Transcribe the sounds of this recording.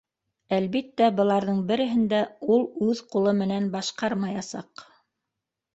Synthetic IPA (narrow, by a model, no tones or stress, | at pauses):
ælβit̪ːæbɤ̆lˠɑɾðɤɴbɘ̆ɾɘ̆ɦɘ̆nd̪æulˠʉðqulˠɤmɘ̆nænbɑʃqɑɾmɑjɑsɑq